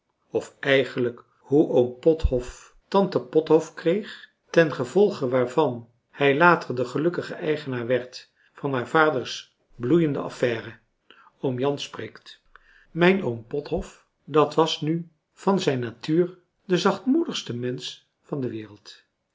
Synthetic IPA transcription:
ɔfɛjχənlək | huʔowmpɔthɔf | tɑntəpɔtɦɔfkrejχ | tɛnχəvɔlˠχəʋaːɹvɑn | hɛjlaːtərdəχəlɵkəχəʔɛjχənaːɹʋɛɹt | fɑnɦaːɹv̥aːdəɹs | blujəndə̰ʔɑ̰fɛːrə | omjɑnsprejkt | mɛjnowmpɔtɦɔf | dɑtʋɑsny | v̥ɑnzɛjnːaːtyːɹ | dəzɑχtmudəχstəmɛns | fɑndəʋɪːrəlˠt

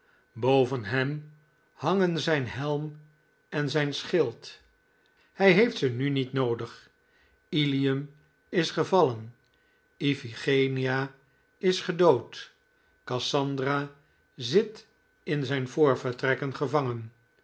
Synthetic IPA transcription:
bowvənɦɛm | hɑŋənzɛjnɦɛlˠm | ɛnzɛjnsχɪlˠt | hɛjɦejftsənynitnowdəχ | iliəm | ɪsχəvɑlən | ifiχejnia | ɪsχədowt | kɑsɑndraː | zɪt | ɪnzɛjnvʊːɹvəɹtrɛkənχəvɑŋən

